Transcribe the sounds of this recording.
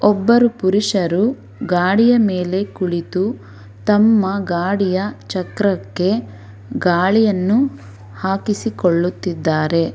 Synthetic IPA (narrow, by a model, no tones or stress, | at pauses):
ɔbːɐɾupuɾiʂɐɾu | ɡaːɽijɐmeːle̞kuɭit̪u | t̪ɐmːɐɡaːɽijɐt͡ʃɐkɾɐkːe̞ | ɡaːɭijɐnːu | haːkisikoɭːut̪ːid̪ːaːɾe̞